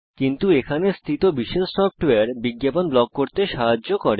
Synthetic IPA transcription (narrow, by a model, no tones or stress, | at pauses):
kint̪uekʰanest̪ʰit̪obiʃelsɔp̚ʈoeaɾbiɡːjaponblɔɡ̚koɾt̪eʃaɦad͡ʑːokɔɾe